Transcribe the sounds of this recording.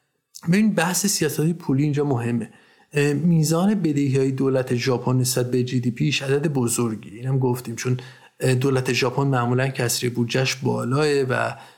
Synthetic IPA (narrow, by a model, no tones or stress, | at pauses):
be̞bibæhsesijɒːsæt̪ʰipʰuːliiːnd͡ʒɒːmoɦe̞mːe̞ | miːzɒːne̞be̞d̪eɦiɒːjed̪oːlæt̪ʰe̞ʒɒːpʰonːesbæt̪̚bed͡ʒiːd̪iːpʰiʃæd̪æd̪ebozoɾɟiiːnæmɡoft̪iːmt͡ʃʰon | d̪oːlæt̪ʰe̞ʒɒːpʰonmæʔmuːlæncʰæsɾibud͡ʒæʃbɒ̰ːlɒːevæ̰